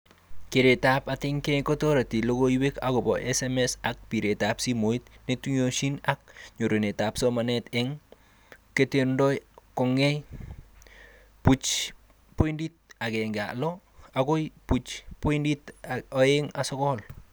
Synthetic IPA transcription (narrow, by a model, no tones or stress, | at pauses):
keɾetapatiŋkɛjkotoɾatilokoiwekakobɔ̰ʔɛsɛmɛsak̚piɾetapsimoit̚netuɲoʃinak̚ɲoɾenetapsomanɛtɛŋ | ketendɔjkɔŋɛj | put͡ʃ | poindit̚akɛŋɡa̰lɔ | akoput͡ʃpoinditoeŋasɔkɔl